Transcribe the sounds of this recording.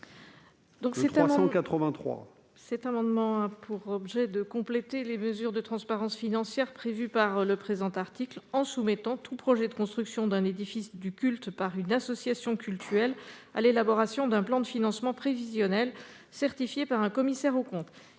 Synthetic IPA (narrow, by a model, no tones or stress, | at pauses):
d̪ɔ̃ksɛt̪am̃kat̪χəvɛ̃t̪χwa̰ | sɛt̪amɑ̃d̪mɑ̃apʰuʁɔbʒɛd̪əkɔ̃plet̪eleməzyʁd̪ət̪χɑ̃spaʁɑ̃sfinɑ̃sjɛʁpχevypaʁləpχezɑ̃t̪aʁt̪iklɑ̃sumɛt̪ɑ̃t̪ʰupχɔʒɛd̪əkɔ̃st̪χyksjɔ̃d̪ɛ̃ned̪ifisd̪ykʲylt̪paʁynasɔsjasjɔ̃kʲylt̪ʰyʁɛla̰lelabɔʁasjɔ̃d̪ɛ̃plɑ̃d̪əfinɑ̃smɑ̃pχevizjɔnɛl | sɛʁt̪ifjepaʁɛ̃kɔmisɛʁokɔ̃t̪